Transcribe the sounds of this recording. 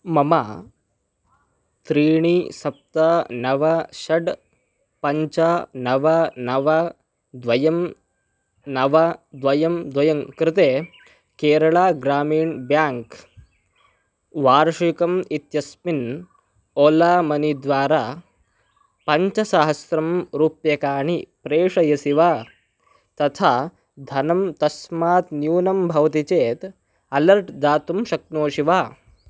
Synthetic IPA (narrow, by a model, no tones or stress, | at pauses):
mɐmaː | t̪ɾiːɳiːsɐp̚t̪ɐnɐʋɐʃɐɖ | pɐɲt͡ʃɐnɐʋɐnɐʋɐ | d̪ʋɐjɐm | nɐʋɐd̪ʋɐjɐmd̪ʋɐjɐŋkɾɪt̪eː | keːɾɐɭaːɡɾaːmiːɳbjaːŋk | ʋaːɾʃikɐmit̪jɐsmin | oːlaːmɐnid̪ʋaːɾaː | pɐɲt͡ʃɐsaːɦɐsɾɐmɾuːpjɐkaːɳ̤ipɾeːʂɐjɐsiʋaː | t̪ɐt̪ʰaː | d̪ʱɐnɐmt̪ɐsmaːt̪njuːnɐmbʱɐʋt̪it͡ʃeːt̪ | ɐlɐɾʈd̪aːt̪umʃɐk̚noːʃiʋaː